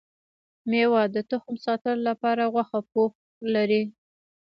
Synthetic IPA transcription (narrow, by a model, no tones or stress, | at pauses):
mewɑd̪ət̪ʊxmsɑt̪əlolapɑɾaɣwaxap̚ox | laɾi